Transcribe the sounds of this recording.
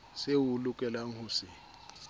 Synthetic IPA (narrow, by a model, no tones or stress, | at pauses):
sewulʊkʼɛlaŋ̩hʊːsɪ